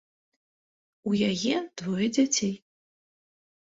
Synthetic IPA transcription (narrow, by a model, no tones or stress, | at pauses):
ujajɛd̥vojd͡zʲatʲʰej